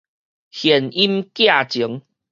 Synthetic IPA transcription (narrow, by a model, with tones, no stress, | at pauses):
hje˨˩ni˦mkja˥˨t͡ɕi˨˦ŋ